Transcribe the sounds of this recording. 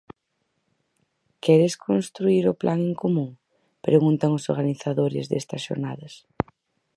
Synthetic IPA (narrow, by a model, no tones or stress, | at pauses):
kɛɾɪskʰonst̪ɾuiɾʊplʔaŋeŋkomũŋ | pɾeɣunt̪ɐŋʊsoɾɣaniθaðoɾɪ̰zðɛ̰st̪ɐsʃo̰ɾnaðɐs